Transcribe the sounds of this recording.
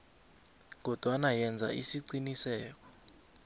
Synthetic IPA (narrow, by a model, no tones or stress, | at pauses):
ɡ̬ɔd̥ʱwanajɛnd͡zʱa̰ʔisiǀinisɛːk̬ɔ̥